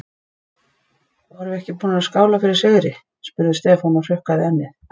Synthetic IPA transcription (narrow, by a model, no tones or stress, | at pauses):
avaɾvɪɛhcɪpuːnaaskaːwlafɪɾɪɾ̥seðɾɪ | spʏɾðɪst̪ɛːfanar̥ʏhkaðɪɛnːɪ